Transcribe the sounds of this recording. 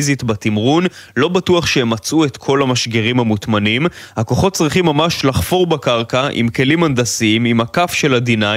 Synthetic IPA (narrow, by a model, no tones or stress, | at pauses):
zitbatimʁunlo̞batuɐχʃehemat͡sʔuet̪kʰo̞lamaʃɡeʁimhamutmanimhako̞χo̞t̚t͡sʁiχimːamaʃlaχfo̞ʁbakaʁkaʔḭmke̞limandasiimimakafʃe̞ladina